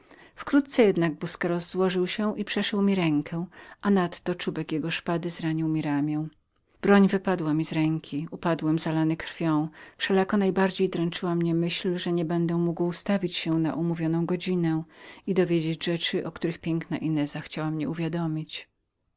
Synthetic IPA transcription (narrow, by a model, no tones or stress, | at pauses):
fkɾut̪̚t̪sɛjɛd̪naɡ̚buskɛɾɔzːwɔʐɘwɕɛʔipʂɛʂɛwmʲiɾɛŋkʰɛ̃ʔanat̪ːɔt͡ʂubɛkjɛɡɔʂpad̪ɘzɾaɲiwmʲiɾamʲjɛ̃w̃ | b̥ɾɔɲvɘpad̪wamʲizɾɛŋkʲʰiupad̪wɛmzalanɘkɾfʲjɔ̃w̃fʂɛlakɔnajbaɾd͡ʑejd̪ɾɛnt͡ʂɘwamɲɛmɘɕlʐɛɲɛbɛnd̪ɛmuɡwst̪avʲit͡ɕɕɛna̰ʔumuvʲjɔnɔ̃w̃ɡɔd͡ʑinɛid̪ɔvʲjed͡ʑed͡ʑʐɛt͡ʂɘʔɔkt̪uɾɘxpʲjɛŋkna̰ʔinɛzaxt͡ɕawamɲɛuvʲjad̪ɔmʲit͡ɕ